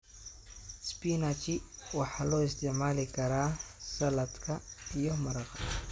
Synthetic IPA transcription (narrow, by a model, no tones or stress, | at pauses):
spinat͡ʃɪwɑħɑːlɔːɪst̪ʰɪʕmaːlɪkʰɐɾaːsɐlɐd̪kʰɐijɔmɐɾɐqɑ